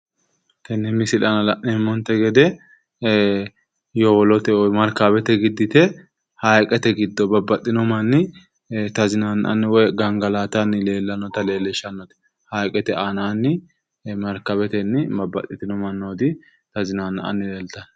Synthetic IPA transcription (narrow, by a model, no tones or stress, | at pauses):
t̪ɐnːɛmɪsɪlɐnɐlɐʔɛmːɔnt̪ɛɡɛd̪ɛ | jɔwɔlɔt̪ɛwɔmɐɾkɐbɛt̪ɛɡɪd̪ːɪt̪ɛ | hɐjkʼɛt̪ɛɡɪd̪ːɔbɐbːɐt̪ʼːɪnɔmɐnːɪ | t̪ɐzɪnaːnʔɐ̰nːɪwɔjɡɐŋɡɐlaːt̪ɐnːɪle̞ːlːɐnɔt̪ɐle̞ːlːɛʃɐnːɔt̪ɛ̥ | hɐjkʼɛt̪ɛanaːnːɪ | mɐɾkɐbɛt̪ɛnːɪbɐbːɐ̰t̪ʼːɪt̪ɪnɔmɐnːod̪ɪ | t̪ɐzɪnanʔɐ̰nːɪleːlt̪ɐn